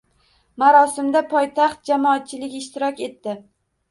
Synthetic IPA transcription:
maɾɒsɪmd̪apʰɒjt̪ʰaχt̪̚d͡ʒamɒat̪̚t͡ʃʰɪlɪɡʲɪʃt̪ɪɾɒkʲe̞t̪ːɪ

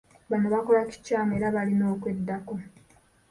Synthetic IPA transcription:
βanoβako̞laci̥caːme̞ːɾaβalino̞ːkwe̞dːako̞

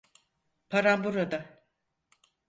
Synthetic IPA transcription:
pʰaɾambuɾad̪a

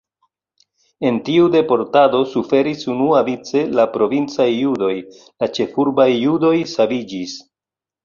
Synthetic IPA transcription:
e̞ntiude̞po̞ɾtado̞sufe̞ɾisunuavit͡se̞lapɾo̞vint͡sajːudo̞j | lat͡ʃe̞fuɾbajːudo̞jsavid͡ʒis

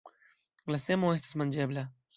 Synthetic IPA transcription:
ɡlasemoes̬t̪e̥smãnd͡ʒeβla

